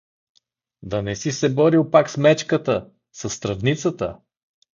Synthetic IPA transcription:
d̪ɐnɛsisɛbɔɾilˠpaksmɛt͡ʃkət̪ə | sɐsːt̪ɾɐvnit̪sət̪ə̰

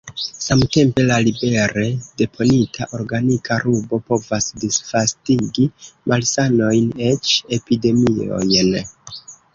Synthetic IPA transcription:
samte̞mpe̞lalibe̞ɾe̞de̞pʰo̞nitʰaʔo̞ɾɡanikʰaɾʔubo̞po̞vasdisfastiɡimʔalsano̞jne̞t͡ʃe̞pide̞mio̞̰jn

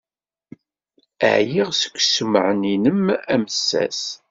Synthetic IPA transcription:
ə̰ʕjiʁsə̥kʷːsəməʕəninəmæməsːæ̰s

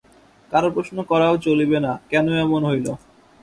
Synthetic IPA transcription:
kaɾopɾoʃnokɔɾaot͡ɕolibenakɛnoɛmonɦojlo

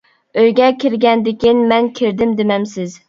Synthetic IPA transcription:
øjɡʲɛkʲʰiɾɡʲɛnd̪ɪkʲinmɛnkʲʰiɾd̪ɪmd̪ɪmɛmsɪz

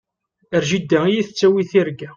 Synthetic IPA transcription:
əɾʒid̪ːæijiθət͡sːæwiθiɾɡæ

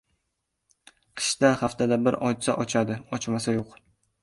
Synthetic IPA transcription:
qʰɨ̥ʃt̪ahaft̪ʰad̪abɪɾɒt͡ʃsaʔɒt͡ʃʰad̪ɪɒt͡ʃmasajoq

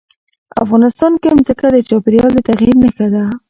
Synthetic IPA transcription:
a̰fɣɑnɪst̪ɑnkemzəkad̪ət͡ʃɑpɪɾjɑld̪ət̪aɣjiɾnəxad̪a

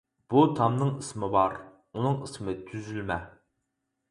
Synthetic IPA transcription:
b̥ut̪ʰɑmnɨŋismɪbɑɾ | unɨŋismɪt̪ʰyzylmɛ

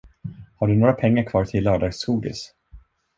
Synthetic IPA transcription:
haɖɵnoːɾapʰɛŋːaɾkʰvɑːt̪ʰɪlːœːɖɑɡsuːɖ̪ɪ̰s

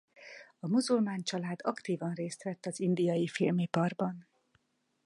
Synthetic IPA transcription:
ɒmuzulmaːnt͡ʃɒlaːd̪ɒkt̪iːvɒnreːst̪ʋɛt̪ːɒzind̪ijɒjifilmipɒrbɒn

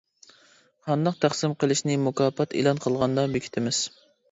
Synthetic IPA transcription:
hɑnd̪ɑq̚t̪ʰæχsɪmqəlˠɪʃnɪmukɑːpʰɑt̪ʰḛlˠɑnqʰəlˠʁɑnd̪ɑbekʲʰi̥t̪ʰɪmɪz̥

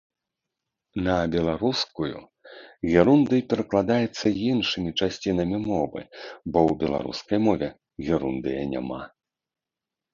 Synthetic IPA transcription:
nɐbʲɛlˠaɾuskujṵ | ɣʲɛɾund̪ɨjpʲɛɾɐklˠad̪ajɛt̪sːɐjinʂɨmʲit͡ʂasʲt͡sʲinɐmʲimɔvɨ̰bɔwbʲɛlˠa̰ɾṵskɐjmɔvʲɛ | ɣʲɛɾund̪ɨjɐnʲa̰ma̰

